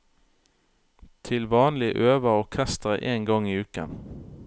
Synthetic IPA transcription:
t̪ʰɪlʋɑːnlɪʔøːʋəʁoːkʰæst̪əʁəʔeːŋɡɔŋiːʉːkə̰

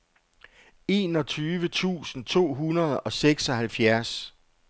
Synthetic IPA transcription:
e̝ːnɒ̽t͡sʰyːʋət͡sʰṵːsn̩t͡sʰo̝̰ːɦunɐð̩ˠɒ̽seɡ̥sɒ̽hælfjæɐs

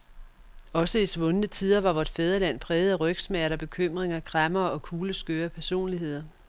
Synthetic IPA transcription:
ɒ̽səisʋɔ̽nənət͡sʰiðˠɐʋɑ̈ʋɒd̥feð̞ˠɐlæn̰pʰʁɛːð̞̩ˠæʁœɡ̥smæɐɾ̥ɐb̥e̝kʰøm̰ʁeŋɐɡ̥ʰʁamɐːɒ̽kʰuːləsɡ̥øːɐpʰæɐso̝̰ːnliɦe̝ð̞̰ˠɐ

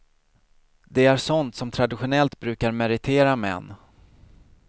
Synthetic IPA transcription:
d̪ɛæɾʂɔnt̪sɔmt̪ʰɾad̪ɪɧʊnɛlt̪bɾʉ̟ːkaɾmɛɾɪt̪ʰeːɾamɛ̰nː

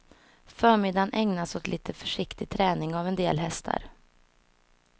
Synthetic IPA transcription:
fœːɾmɪd̪anʔɛŋnasɔt̪ʰlʔiːt̪ʰəfœʂɪkt̪ɪɡ̚t̪ʰɾɛːnɪŋavɛnd̪eːlɦɛst̪ʰa̰ɾ

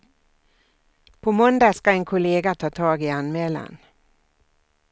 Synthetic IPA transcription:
pʰɔmɔnd̪askaɛnkʰʊleːɡat̪ʰɑːt̪ʰɑːɡɪanmɛːla̰n

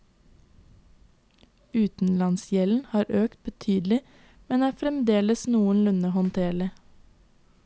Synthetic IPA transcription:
ʉːt̪n̩lɑnsjɛln̩hɑːɾøːk̚t̪̚bət̪ʰyːd̪l̩ɪ | mɛnæːfɾɛmd̪eːləsnuːənlʉnəhɔnt̪ʰeːɭə

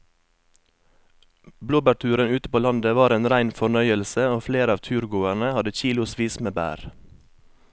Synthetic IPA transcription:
bloːbæʈʰʉːɾənʉːt̪əpoːlɑnd̪əʋɑːɾeːnɾæɪnfɔɳœʏəlsəoːfleːɾɑːʋt̪ʰʉːɾɡoːæɳəhɑd̪əçiːlʊspiːsmeːbæ̰ːɾ

